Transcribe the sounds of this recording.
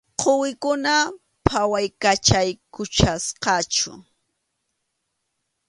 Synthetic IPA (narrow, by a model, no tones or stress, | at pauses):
qʰowɪkʊna | pʰawajkat͡ʃajkʊt͡ʃasqɑt͡ʃʊ̰